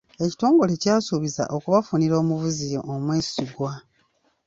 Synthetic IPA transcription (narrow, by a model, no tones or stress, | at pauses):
e̞ci̥to̞ːŋɡo̞lecaːsuβiza̰ʔo̞kuβafuniɾo̞ːmuvuzijoʔːmweːsiɡwa